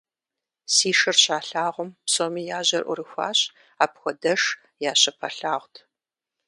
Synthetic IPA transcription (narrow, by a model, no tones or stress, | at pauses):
siːʂɨrɕaːɬaːʁʷʊmpsoːmiːjaːʑɐrʔʷʊ̰ɾɨxʷa̰ːɕ | aːpxʷɔdɐʂ | jaːɕɐpʰɐɬaːʁʷtʰ